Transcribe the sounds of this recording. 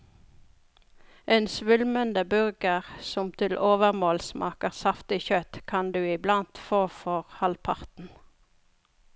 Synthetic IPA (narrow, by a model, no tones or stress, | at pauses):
ʔeːnsʋʉlmənd̪əbʉʁɡəʁsɔmt̪ʰɪlʔoːʋəʁmoːlsmʔɑ̰ːkəʁsɑft̪ɪçœt̪kʰɑnd̪ʉːɪblɑnt̪foːfɔʁhɑlpʰɑʁt̪n̩